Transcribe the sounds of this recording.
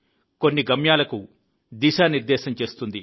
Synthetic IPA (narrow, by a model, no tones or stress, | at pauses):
ko̞nːiɡɐmjaːlɐku | d̪iːʃaːniɾd̪ɛːʃɐmt͡ʃe̞ːst̪und̪i